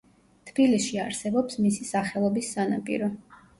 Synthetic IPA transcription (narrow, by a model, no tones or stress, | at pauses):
t̪ʰb̥ilisʃiaɾsɛbɔpsmisisaχɛlˠɔbisːanapʼḭɾɔ